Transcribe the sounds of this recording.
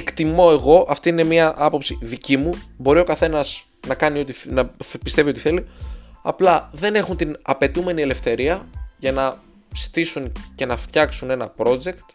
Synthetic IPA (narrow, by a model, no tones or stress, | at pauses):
ekt̪imo̞e̞ɣo̞ʔɐft̪iinemiɐʔɐpo̞psiðicimubo̞ɾio̞kɐθe̞nɐz | nɐkɐnio̞t̪inɐpist̪e̞viot̪i̥θe̞liɐ̰plɐðe̞ne̞xunt̪inɐpe̞t̪ume̞niele̞fθe̞ɾiɐʝɐnɐ | z̥i̥t̪isunce̞nɐft̪çɐksune̞nɐpɾo̞d͡ʒe̞kt̪